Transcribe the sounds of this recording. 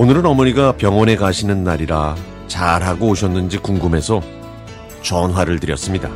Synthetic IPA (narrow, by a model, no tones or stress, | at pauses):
onɯɾɯnʌmʌɲiɡapjʌŋwʌne̞kaɕʰinɯnːaɾiɾa | t͡ɕaɾɦaɡoːɕʰʌnːɯnd͡ʑikuŋɡɯme̞sʰʌ | t͡ɕʌnɦwaɾɯɭtɯɾjʌs͈ɯmɲida